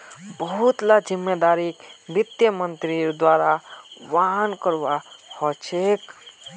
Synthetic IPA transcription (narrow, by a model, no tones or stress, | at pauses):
bəɦut̪lad͡ʒimːed̪aɾikbit̪jəmənt̪ɾiɾd̪waɾaʋaɦnkəɾʋahɔt͡ʃʰek